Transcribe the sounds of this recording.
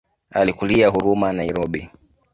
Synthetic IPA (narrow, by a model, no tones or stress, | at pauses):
alikuliaɦuɾumanaiɾɔɓi